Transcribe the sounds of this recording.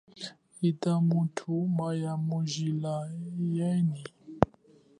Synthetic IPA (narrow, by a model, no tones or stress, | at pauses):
itamutʰumajamuʒilajɛni